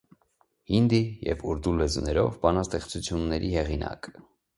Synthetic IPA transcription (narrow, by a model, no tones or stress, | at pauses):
hind̪ijɛ̰vuɾd̪ulɛzunɛɾɔvbɑnɑst̪ɛχt͡sʰut͡sʰjunːɛɾʔihɛʁinɑ̰k